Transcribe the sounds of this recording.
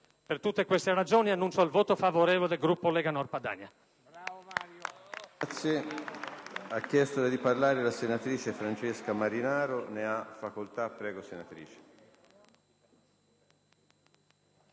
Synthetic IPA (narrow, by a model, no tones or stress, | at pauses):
pert̪ut̪ːekwest̪erad͡ʒoːnianːunt͡ʃoalvoːt̪ofavoɾɛːvoled̪elɡɾupːolɛːɡanɔrpad̪a̰ɲːa | t̪sːje | akːjɛst̪odad̪iparlaːɾelasenat̪ɾiːt͡ʃefɾant͡ʃeskamaɾinaːɾoneafːakolt̪apːɾɛːɡosenat̪ɾḭːt͡ʃe̥